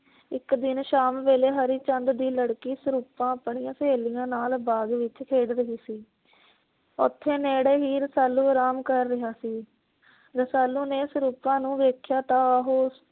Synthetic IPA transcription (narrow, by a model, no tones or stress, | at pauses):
ɪkd̪ɪnʃaːmʋeːleːɦəɾiːt͡ʃənd̪d̪iːləɽkiːsəɾuːpãːəpɳɪjãːseːlɪjãːnaːlbaːɡʋɪt͡ʃkʰeːɽɾəɦiːsiː | ʊ̰t̪ʰːeːneːɽeːɦiːɾəsaːlːuːəɾaːmkəɾːɪɦaːsiː | ɾəsaːlːũːneːsɾuːpãːnũːʋeːkʰjaːt̪ãːəɦoː